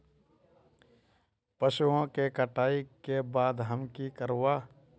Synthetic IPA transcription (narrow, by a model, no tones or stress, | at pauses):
pəʃuõkekəʈaːikebaːd̪ɦəmkikəɾwaː